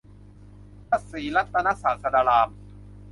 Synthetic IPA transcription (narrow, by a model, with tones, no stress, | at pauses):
pa˦˥˩t̪̚siː˩˦la˦˥t̪ːa˧na˦˥saː˩˦sʰa˧daː˧laː˧m